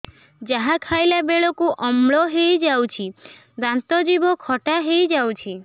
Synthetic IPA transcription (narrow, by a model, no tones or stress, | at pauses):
d͡ʒaɦakʰajlabeɭɔkuʔɔmɭɔɦejd͡ʒawt͡ʃʰi | d̪ant̪ɔd͡ʒibɔkʰɔʈaɦejd͡ʒawt͡ʃʰi